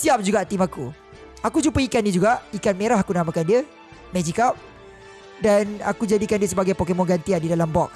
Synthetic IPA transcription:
siap̚d͡ʒuɡaʔt̪imaku | akut͡ʃumpəikanːid͡ʒuɡaʔikanmeɾahɦakunamãkandiə | mɛd͡ʒikap̚ | dana̰kud͡ʒadikandiəsəbaɡajpokemɔ̃ɡant̪iadidalambɔk̚

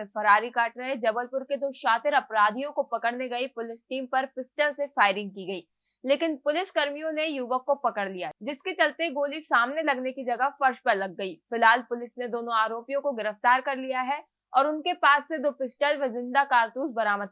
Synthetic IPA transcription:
fɐɾaːɾikaːʈɾɐɦed͡ʒɐbəlpʊɾked̪oːʃaːt̪ɪɾɐpɾaːd̪ʱijõkopɐkəɽneɡɐipʊlɪsʈiːmpɐɾfɪsʈəlsefaːɪɾɪ̃ŋɡ̚kiɡɐiː | leːkɪnpʊlɪskɐɾmijõnejuːʋəkːopɐkəɽlijad͡ʒɪsket͡ʃɐlt̪eɡoːlisaːmnelɐɡnekid͡ʒɐɡəɦfɐɾʃpɐɾlɐɡːɐiːfɪlɦaːlpʊlɪsned̪oːnõaːɾoːpijõkoɡɪɾəft̪aːɾkɐɾlijaɦɛ | ɔːɾʊnkepaːsːed̪oːpɪsʈəlʋezɪ̃nd̪akaːɾt̪uːzbɐɾaːməd̪

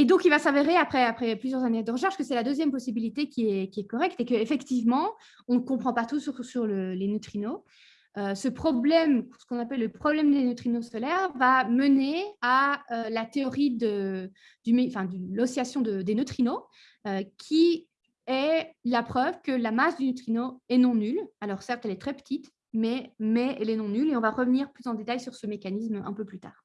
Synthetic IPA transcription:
ed̪ɔ̃kilvasaveʁeapχɛapχɛplyzjœʁzanɛd̪əʁəʃ̬ɛʁʃkəsɛlad̪øzjɛmpɔsibilit̪ekʲiɛkʲiɛkɔʁɛk̚t̪ekəefɛkt̪ivmɑ̃ | ɔ̃nkɔ̃pχɑ̃pat̪usyʁusyʁləlenət̪χino | øsəpχɔblɛmsə̥kɔ̃napɛlːəpχɔblɛmd̪enət̪χinosɔlɛʁvaməneaølat̪eɔʁid̪ə | d̪̥ymeɑ̃fɛ̃d̪ylɔsjasjɔ̃d̪əd̪enət̪χino | økʲʰi | ɛlapχœvkəlamasd̪ynət̪χinoɛnɔ̃nylalɔʁsɛʁt̪ɛlɛt̪χɛpə̥t̪ʰit̪ | mɛmɛɛlɛnɔ̃nyleɔ̃vaʁəvəniʁplyzɑ̃d̪et̪ajsyʁsəmekanismɛ̰̃pøplyt̪a̰ːʁ

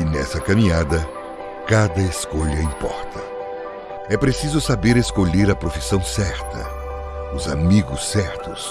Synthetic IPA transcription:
ɪnɛ̰sɐkɐmĩɲad̪ɐ | kad̪ɐeskoʎɐĩpɔ̰ɾt̪ʰɐ | ɛpɾesizʊsabeɾeskoʎeɾɐpɾofisɐ̃w̃sɛɾt̪ɐ̰ | ʊzamiɡʊsːɛɾt̪ʊs

